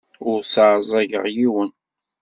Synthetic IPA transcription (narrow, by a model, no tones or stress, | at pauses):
ʊɾsaʕzˤæʝə̰ʁjiwən